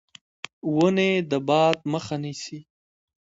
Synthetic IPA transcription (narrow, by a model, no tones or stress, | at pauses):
wəned̪əbɑːd̪̚məxanisi